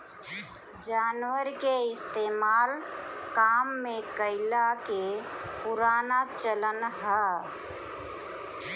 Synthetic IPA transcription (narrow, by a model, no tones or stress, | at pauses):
d͡ʒaːnwəɾkeɪst̪emaːlkamːẽkəɪlakepuɾaːnat͡ʃələnɦə